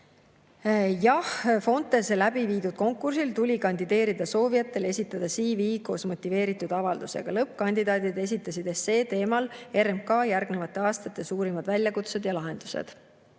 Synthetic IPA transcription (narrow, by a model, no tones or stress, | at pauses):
jɑhfo̞nt̪ːˑe̞slæbiviːd̪ud̪̥̚ko̞ŋkːˑursilt̪ulʲikɑnʲd̪id̪e̞ːɾid̪ɑso̞ːvijɑt̪ːˑe̞le̞sʲit̪ːˑɑd̪̥ɑsiːviːko̞ːsmo̞t̪ˑːive̞ːɾit̪ːˑud̪ɑvɑld̪̥use̞̰ɡ̥ɑlɤp̚ːˑkɑnʲd̪id̪ɑːd̪̥id̪e̞s̬it̪ˑːɑsid̪̥ese̞ːt̪e̞ːmɑle̞ɾemkɑːjærɡne̞vɑt̪ːˑe̞ɑːst̪ɑt̪ːˑe̞suːɾimɑd̪vælʲjɑkut̪se̞d̪̥jɑlɑɦe̞nd̪̥u̥sḛd̪̥